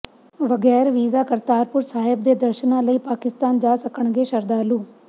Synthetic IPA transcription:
ʋəɡɛːɾʋiːzaːkəɾt̪aːɾpʊɾsaːɦɪb̚d̪eːd̪əɾʃənãːləiːpaːkɪst̪aːnd͡ʒaːsəkəɳɡeːʃəɾd̪aːluː

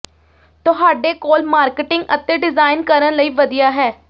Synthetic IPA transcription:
t̪ʊɦaːɖeːkoːlmaːɾkɪʈɪŋɡə̰t̪ːeːɖɪzaːɪnkəɾənləiːʋəd̪ijaːɦɛː

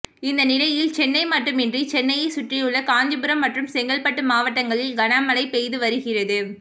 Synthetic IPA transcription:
ɪnd̪ɐnɪlɐɪjɪlt͡ʃɛnːɐɪmɐʈːɯmɪndrit͡ʃɛnːɐjɐɪsʊʈrijɯɭːɐkaːɲd͡ʒɯbɯɾɐmːɐʈrɯmsɛŋɡɐɭpɐʈːɯmaːʋɐʈːɐŋɡɐɭɪlɡɐnaːmɐlɐɪpejðɯʋɐɾɯɣɪrɐðɯ

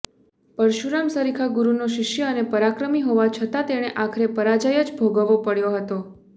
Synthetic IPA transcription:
pəɾʃuɾamsəɾikʰaɡuɾunoʃɪʃjəənepəɾakɾəmiɦoʋat͡ʃʰət̪at̪eɽ̃eʔakʰəɾepəɾad͡ʒajəd͡ʒbʱoɡəʋopəɽjoɦət̪o

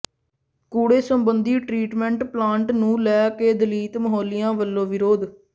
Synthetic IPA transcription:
kuːɽeːsəmbənd̪iːʈɾiːʈmɛ̃ːɳʈplãːɳʈnũːlɛːkeːd̪əliːt̪məɦoːlɪjãːʋəlːõːʋɪɾoːd̪

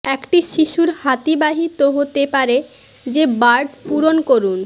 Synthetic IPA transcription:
ɛkʈiʃiʃuɾhat̪ibaɦit̪oɦot̪epaɾe | d͡ʑebaɾɖpuɾonkoɾun

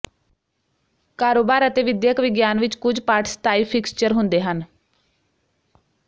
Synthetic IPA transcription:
kaːɾoːbaːɾət̪eːʋɪd̪jəkʋɪɡjaːnʋɪt͡ʃkʊd͡ʒpaːʈʰst̪aːiːpʰɪkst͡ʃəɾɦʊ̃nd̪eːɦən

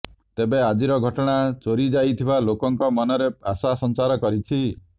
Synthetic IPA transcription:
t̪ebead͡ʒiɾɔɡʱɔʈɔɽ̃at͡ʃoɾid͡ʒajt̪ʰibalokɔŋkɔmɔnɔɾeasasɔnt͡ʃaɾɔkɔɾit͡ʃʰi

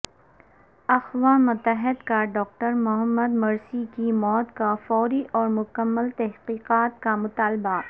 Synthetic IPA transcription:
ɐxʋamʊt̪əɦɪd̪kaɖɔːk̚ʈəɾmʊɦəmːəd̪mɐɾsikimɔːt̪kafɔːɾiʔɔːɾmʊkəmːəlt̪ɐɦqiːqaːt̪̚kamʊt̪aːlba

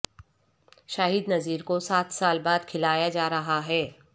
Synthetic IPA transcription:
ʃaːɦiːd̪nɐziːɾkosaːt̪ʰsaːlbaːd̪kʰɪlaːjad͡ʒaːɾɐɦaɦɛː

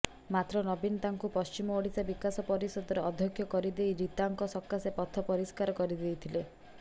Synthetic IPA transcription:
mat̪ɾɔnɔbinɔt̪aŋkupɔst͡ʃimɔoɽisabikasɔpɔɾisɔd̪ɔɾɔɔd̪ʱjɔkʰːjɔkɔɾid̪ejɾit̪aŋkɔsɔkːasepɔt̪ʰɔpɔɾiskaɾɔkɔɾid̪ejt̪ʰile

